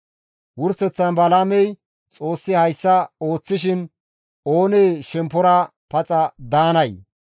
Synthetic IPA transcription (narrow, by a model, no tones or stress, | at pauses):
wʊɾsɛt͡sːɐnbɐlaːmɛj | t͡sʼo̞ːsːɪhɐjsːɐo̞ːt͡sːɪʃ̬ɪn | oːneːʃɛmpːɔɾɐpɐt͡sʼɐd̪aːnɐj